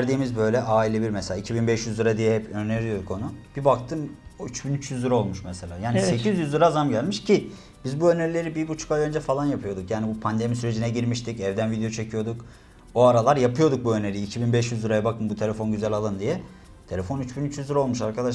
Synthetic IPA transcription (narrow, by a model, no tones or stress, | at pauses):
ɾd̪iːmizbø̞jlʲɛʔaːilʲebiɾmɛselʲaːicʰibinbɛʃjyzlɯɾad̪ijɛhɛpʰøneɾijo̞d̪uko̞nub̥ibak̚t̪ʰɯmyt͡ʃbinyt͡ʃjyzlɯɾao̞lˠmuʃmɛselʲaːjaːnisse̞cʰizjyzlˠɯɾazamɟælʲmiʃcʰi | b̥izbuø̞neɾilʲe̞ɾibibut͡ʃʰu̥kajø̞nd͡ʒɛfalˠanjapʰɯjo̞d̪ukjaːnibupʰand̪e̞misyɾe̞d͡ʒinɛɟiɾmiʃt̪ʰicɛvd̪ænvid̪ejo̞t͡ʃʰe̞cʰijo̞d̪uk | oaɾalˠaɾjapʰɯjo̞d̪uk̚buø̞neɾʲijːcʰibinbɛʃjyzlɯɾajabakɯmbut̪ʰe̞lʲefo̞nɟyzælʲalˠɯnd̪ijɛ | t̪ʰe̞lʲefo̞nyt͡ʃbinyt͡ʃjyzlɯɾaolmuʃaɾkʰad̪aʃ